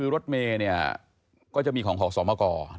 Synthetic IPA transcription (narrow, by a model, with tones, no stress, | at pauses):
ɯː˧ɾo˦˥t̪̚meː˧ni˥˩ɐ | kɔː˥˩t͡ɕa˨˩ʔmiː˧kʰɔː˩˦ŋkʰːk̚sɔː˩˦maː˧˩kɔː˧